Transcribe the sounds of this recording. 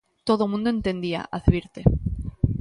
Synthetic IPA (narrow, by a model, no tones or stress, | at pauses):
t̪oðomũnd̪oent̪e̞nd̪ia̰ʔaðβiɾt̪e